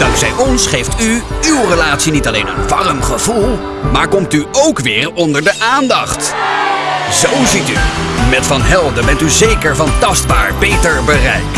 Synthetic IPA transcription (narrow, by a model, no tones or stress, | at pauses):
d̥ɑŋksɛjʔɔnsχejftyywrəlaːtsinitɑlejnə̰nʋɑrəmχəvulˠ | maːɹkɔmtyowkʋɪːɹɔndəɹdəʔaːndɑχt | zowzity̰mɛtfɑnɦɛlˠdəbɛntyzejkəɹvɑntɑsd̚baːɹbejtəɹbərɛ̰jk